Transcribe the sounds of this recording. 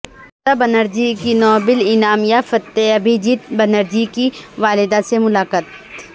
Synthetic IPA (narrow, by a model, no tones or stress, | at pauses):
t̪abɐnəɾd͡ʒikinɔːbɪlɪnaːmjafɐt̪ːeɐbʱid͡ʒit̪bɐnəɾd͡ʒikiʋaːlɪd̪asemʊlaːkət̪